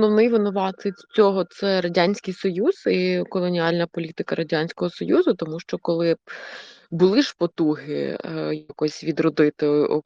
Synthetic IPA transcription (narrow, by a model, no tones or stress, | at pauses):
nɔwnɪjʋɪnʊʋɑt̪ɪt͡sʲɔɦɔt̪sɛɾɐdʲanʲsʲkɪjsɔjuz̥ikɔlˠɔnʲiɑlʲnɐpɔlʲit̪ɪkɐɾʔɐdʲanʲsʲkɔɦɔsɔjuzʊt̪ɔmuʃt͡ʃɔkɔlˠɪ | bʊlˠɪʃpɔt̪uɦɪ̰jɐkɔsʲʋʲid̪rɔd̪ɪt̪ɪ